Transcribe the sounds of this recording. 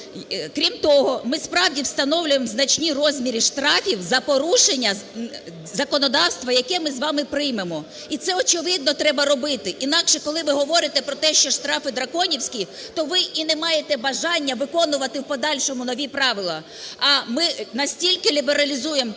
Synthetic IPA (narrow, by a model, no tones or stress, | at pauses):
kɾʲimt̪ɔɦɔmɪspɾɑwdʲiwst̪ɐnɔwlʲʊjemznɐt͡ʃʲnʲirɔzʲmʲiɾʲiʃt̪ɾɑfʲiwzɐpɔɾuʃenʲːɐ | zɐkɔnɔd̪ɑwst̪ʋɐjɐkɛmɪzʋɑmɪpɾɪjmemɔ | it̪sɛɔt͡ʃɪʋɪd̪̚nɔt̪ɾɛbɐɾɔbɪt̪ɪʔin̪ɑkʃɛkɔlˠɪʋɪɦɔʋɔɾɪt̪ɛpɾɔt̪ɛʃt͡ʃɔʃt̪ɾɑfɪd̪ɾɐkɔnʲiwsʲkʲi | t̪ɔʋɪʔinɛmɑjet̪ɛbɐʒɑnʲːɐʋɪkɔnʊʋɐt̪ɪwpɔd̪ɑlʲʃɔmʊnɔʋʲipɾɑʋɪlˠɐ | ɐmɪnɐsʲtʲilʲkɪlʲibeɾɐlʲizuje̞m